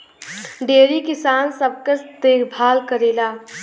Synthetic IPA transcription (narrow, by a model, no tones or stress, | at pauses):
ɖeːɾikɪsaːnsəb̚kəsd̪ekʰbʱaːlkəɾelaː